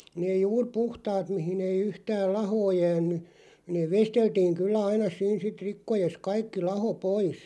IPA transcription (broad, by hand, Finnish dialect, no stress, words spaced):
neː juːr puhtɑːt mihin ei yhtæːl lɑhoː jæːnˑy neː ʋesteltiːŋ kylːæ ɑinɑ siːn sit rikːojes kɑikːi lɑho pois